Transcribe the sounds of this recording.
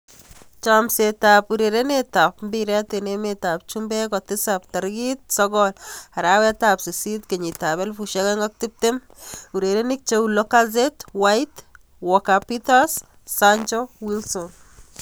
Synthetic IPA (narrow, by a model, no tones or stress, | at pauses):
t͡ʃamsetapuɾeɾenetapmbiɾɛtenemetap̚t͡ʃumbɛkɔtɪsap̚taɾɡit̚sɔɡɔlaɾawɛtapsisitkeɲitaβɛlfuʃɛkɛŋɡɔk̚tip̚tem | uɾeɾenik̚t͡ʃeulokazetwajt | wɔkapitas | saɲt͡ʃɔwilsɔn